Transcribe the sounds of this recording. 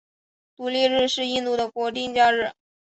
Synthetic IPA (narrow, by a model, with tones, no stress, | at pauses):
t̪u˧˥ljɛ˥˧ɻɻ̩˥˧ʂɻ̩˥˧i˥˧nt̪u˥˩d̪ə˩kwɔ˧˥t̪i˥˧ŋt͡ɕja˥˧ɻɻ̩˥˩